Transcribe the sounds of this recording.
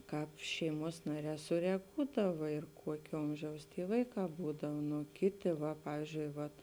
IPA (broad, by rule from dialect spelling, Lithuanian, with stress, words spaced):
ˈkɑːp ˈʃʲɛɪˌmuɔs ˈnɑːˌrʲɛː sʊrʲɛˈɡuːdɐʋɐ ɪr ˈkuɔkʲeː ˈoːmʲʒʲɛʊs ˈtʲiː ˈʋɐɪˌkɑː ˈbuːdɐw ˈnʊ ˈkʲɪˌtʲɪ ʋɐ ˈpɑːʋʲiːzʲd͡ʒʲʊɪ ʋɐt